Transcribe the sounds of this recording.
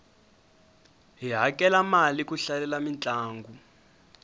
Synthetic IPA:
ɦiɦakʼɛlamalikuɬalɛlamint͡ɬʼaːŋɡu

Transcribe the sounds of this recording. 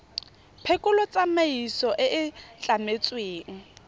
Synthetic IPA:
pʰekʼʊlɔt͡sʼameisɔʔɪʔɪt͡ɬʼamet͡sʼweːŋ̩

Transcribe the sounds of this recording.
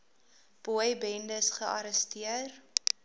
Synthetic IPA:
b̥uəjbɛndəsχəʔɐɾəstiər

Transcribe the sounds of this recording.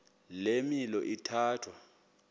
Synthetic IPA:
lemilɔʔitʰaːtʰwa

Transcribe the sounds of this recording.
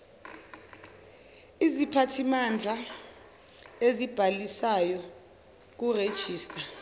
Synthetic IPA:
izipʰatʰimand͡ɮʱa | ezib̥ʱalisajɔ | k̬ured̥ʒ̥ʱiːstʼa

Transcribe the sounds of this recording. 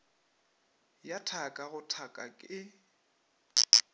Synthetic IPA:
jatʰakʼaɣʊtʰakʼakʼɪ

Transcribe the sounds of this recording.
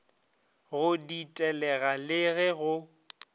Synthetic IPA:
ɣʊditʼɛlɛɣalɪɣɛɣʊ

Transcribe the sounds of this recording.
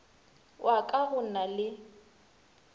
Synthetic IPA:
wʔakʼahʊnalɪ

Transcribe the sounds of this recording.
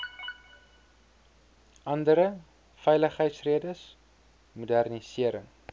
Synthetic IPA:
ʔɐndəɾə | fɛjləχɦəjtsriədəs | mudærnisiəɾəŋ

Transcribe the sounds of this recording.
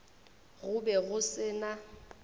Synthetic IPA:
ɣʊbɛɣʊsɪna

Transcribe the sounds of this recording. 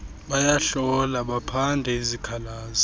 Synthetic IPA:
ɓajaɬɔlaɓapʰandʱɛizikʰalaːzɔ

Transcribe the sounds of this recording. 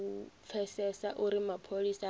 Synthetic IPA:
p̪fʰɛsɛsaʔuɾimapʰolisa

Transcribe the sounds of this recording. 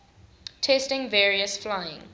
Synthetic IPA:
tʰɛstɪ̃ŋvɛːɹiəsflaɪɪ̰̃ŋ

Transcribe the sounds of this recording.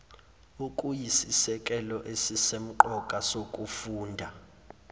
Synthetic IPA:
ukʼujisisɛkʼɛlɔʔesisem̩ǃɔkʼasokʼufuːndʱa

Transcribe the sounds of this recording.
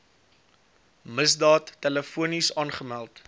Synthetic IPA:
məsdɑːtːɛləfuənisɑːnχəmælˠt

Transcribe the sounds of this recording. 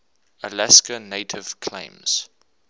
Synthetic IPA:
əlæskəneɪtʰɪv̥kʰlḛ̃ɪ̃mz̥

